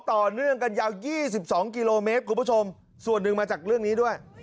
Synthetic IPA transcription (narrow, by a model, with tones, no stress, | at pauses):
t̪ɔː˨˩nɯ˥˩əŋka˧njaː˧wjiː˥˩si˨˩p̚sɔː˩˦ŋki˧loː˧meː˦˥t̪̚kʰu˧pʰːo˧m | su˨˩ənːɯ˨˩ŋmaː˧t͡ɕaː˨˩k̚ɾɯ˥˩əŋniː˦˥du˥˩əj